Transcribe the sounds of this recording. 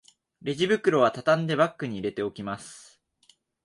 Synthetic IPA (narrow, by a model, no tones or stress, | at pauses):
ɾe̞ʑibɯ̟kɯ̟ɾo̞βat̪at̪ãnd̪e̞bakːɯ̟ɲ̟iːɾe̞t̪e̞o̞kʲimasɨ̥